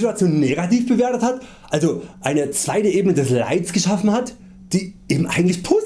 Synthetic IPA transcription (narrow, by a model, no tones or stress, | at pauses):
tuat͡sjoːnːeɡatiːfb̥əveːɐtəthat | ʔalzoʔaɪnət͡sv̥aɪtəʔeːbənədɛsla̰ɪt͡sɡ̥əʃafn̩hat | d̥iːʔeːbm̩ʔa̰ɪɡŋ̩tlɪçpʰoː